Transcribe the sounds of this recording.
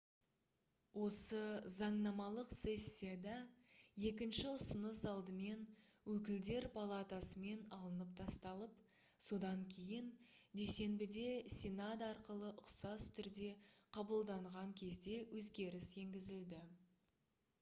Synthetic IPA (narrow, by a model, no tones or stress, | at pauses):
wo̞səzɑɴnɑmɑlˠəqse̞sʲːijad̪ɑ | je̞k̬ʲɪnʃɪʊsənəsɑlˠd̪əme̞n | wɵk̬ʲɪld̪e̞ɾpʰalˠat̪asəme̞nɑlˠənəp̚t̪ʰɑst̪ɑlˠəp | so̞d̪ɑŋkʲʰejɪnd̪e̞se̞nbɪd̪e̞sʲinad̪ɑɾqəlˠəʔʊqsɑst̪ʰʏɾd̪e̞qʰɑbəlˠd̪ɑɴʁɑŋkʲʰe̞zd̪e̞wʔɵzɡʲe̞ɾɪse̞ŋɡʲɪzɪld̪ɪ